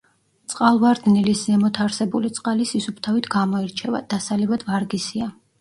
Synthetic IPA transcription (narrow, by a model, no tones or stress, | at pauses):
t̪sʼqʼalˠvaɾd̪niliszɛmɔt̪ʰaɾsɛbulit̪sʼqʼalisisupʰt̪ʰavit̪ʰɡamɔɛɾt͡ʃʰɛva̰d̪̥asalivad̪vaɾɡisia